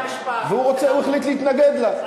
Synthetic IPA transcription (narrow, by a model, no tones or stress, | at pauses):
veuʁot͡seueχlit̪leit̪naɡed̪la